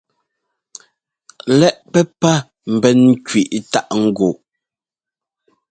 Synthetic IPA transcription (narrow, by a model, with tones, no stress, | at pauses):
lɛ˦ʔpɛ˦pa˦˨ | m̩˨bɛ˦n˦kɥi˨ʔta˦ʔŋ̩˦ɡo˨